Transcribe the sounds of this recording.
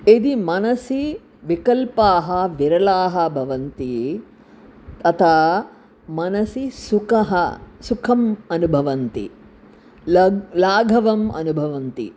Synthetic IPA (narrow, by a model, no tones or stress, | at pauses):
ed̪imɐnɐsi | ʋikɐlpaːɦɐʋiɾɐlaːɦɐbʱɐʋɐnt̪i | t̪ɐt̪ʰa | mɐnɐsisukɐɦɐsukʰɐmɐnubʱɐʋɐnt̪ḭ | laːɡʱɐʋɐmɐ̰nubʱɐʋɐnt̪ḭ